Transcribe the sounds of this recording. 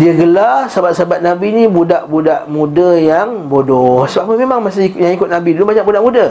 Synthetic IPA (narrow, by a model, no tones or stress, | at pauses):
diəɡəlasəabat̪̚saabat̪̚nabinibudaʔbudaʔmũdajaŋ | bodɔhsəbaumemaŋmasaijaŋikʊt̪̚nabidulubaɲaʔbudaʔmuda